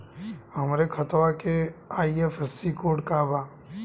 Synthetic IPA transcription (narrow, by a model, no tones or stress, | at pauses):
ɦəmɾekʰət̪ʋakeaːiefʰesikoːɖkabaː